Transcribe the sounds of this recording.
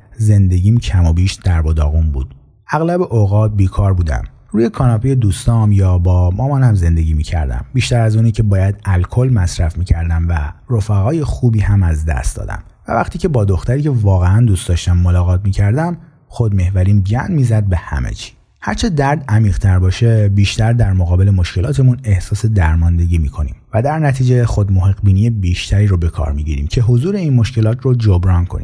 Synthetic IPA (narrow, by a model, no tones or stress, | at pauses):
ze̞nd̪e̞ɟiːmcʰæmobiːʃd̪æɾbod̪ɒ̰ːɣunbṵːd̪̥ | ʔæɣlæbeʔoɣɒːt̪̚biːkʰɒːɾbuːd̪æ̰m | ruːjekʰɒːnɒpʰejed̪uːst̪ɒːmjɒːbɒːmɒːmɒːnhæmze̞nd̪e̞ɟʲiːmiːcʰæ̰ɾd̪æ̰mbiːʃt̪æɾæzuːnicʰe̞bɒːjæd̪ælkʰo̞lmæsɾæfmiːcʰæɾd̪æmværofæɣɒːje̞xuːbiːhæmæzd̪æ̰st̪d̪ɒ̰ːd̪æ̰mvæ̰væ̰χt̪ʰiːcʰe̞bɒːd̪oxt̪æɾiːcʰe̞vɒːɣeænd̪uːst̪d̪ɒʃt̪æmːolɒːɣɒːt̪̚ʰmiːcʰæɾd̪æm | xo̞d̪me̞hvæɾiːmɟænmiːzæd̪̚be̞hæ̰mḛt͡ʃʰi̥ː | hæɾt͡ʃʰe̞d̪æɾd̪æmiːʁ̥t̪ʰæɾbɒːʃe̞biːʃt̪æɾd̪æɾmoɣɒːbe̞lemo̞ʃkcʰe̞lɒːt̪ʰe̞mune̞hsɒːse̞d̪æɾmɒːnd̪e̞ɟiːmiːkʰo̞nḭːmvæd̪æɾnæt̪ʰiːd͡ʒexod̪moɦeɣbiːnijebiʃt̪ʰæɾiːɾobe̞kʰɒ̰ːɾmiːɟḭɾḭːmcʰe̞ɦozuːɾe̞iːnmo̞ʃkce̞lɒːt̪ʰrod͡ʒobɾɒːnkʰonḭːm